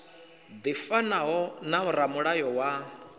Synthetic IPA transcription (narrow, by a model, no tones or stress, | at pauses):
d̪ifanaɦɔnam̩ɾamuɺajɔwa